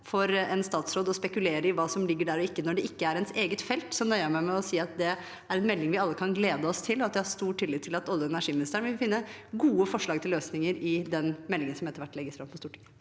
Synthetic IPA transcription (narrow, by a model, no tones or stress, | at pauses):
fɔɾɛnst̪ɑːt̪sɾoːd̪ɔspɛkʉleːɾəɪʋɑːsɔmlɪɡːəɖæɾɔɪkːənɔɖɛʔɪkːəæɾɛnseːɡət̪fɛlt̪sɔnœʏəmæɪmɛɔsiːɑt̪̚d̪ɛ | æɾɛnmɛlːɪŋʋɪɑlːəkʰɑnɡleːd̪əɔst̪ʰɪlːɔɑt̪ʋɪhɑɾst̪uːʈʰːɪlːiːt̪ʰːɪlɑt̪ɔlːəɛnæʂiːmɪnɪst̪æɳʋɪʋɪfɪnːəɡuːəfɔʂɭɑːɡt̪ʰɪlːøːsnɪŋəɾɪd̪ɛnmɛlːɪŋənsɔmɛt̪ːəɾʋæʈːlɛɡːəsfɾɑmpʰɔst̪uːʈɪ̥ŋ